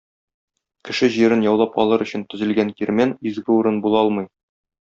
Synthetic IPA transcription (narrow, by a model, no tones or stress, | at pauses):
kɘ̆ʃɘʑiɾɘnjɒwlˠɑpɒ̰lˠɤɾɵ̆ɕɘ̆nt̪ɵ̆zɘ̆lɡænkiɾmænizɡɘuɾɤnbulˠɑɒlˠmɤj